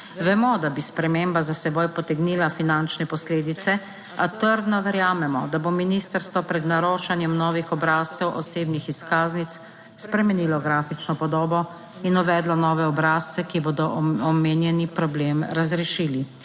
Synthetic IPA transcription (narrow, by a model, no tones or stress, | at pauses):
ʋɛmɔd̪abispɾɛmembazasɛbojpɔt̪ɛɡniːlafinant͡ʃnɛpɔsleːd̪it̪sɛ | at̪əɾd̪nɔʋɛɾjaːmɛmɔd̪abominist̪əɾst̪ʋɔpɾɛd̪naɾoːʃanjɛmnɔːʋixɔbɾaːst̪ɛwʔɔseːbnixiskaːznit̪s | spɾɛmɛnilɔɡɾaːfit͡ʃnɔpɔd̪oːbɔ | inɔʋɛːd̪lɔnɔːʋɛɔbɾaːst̪ɛkiboːd̪ɔʔɔmeːnjɛnipɾɔbleːmɾazɾɛʃili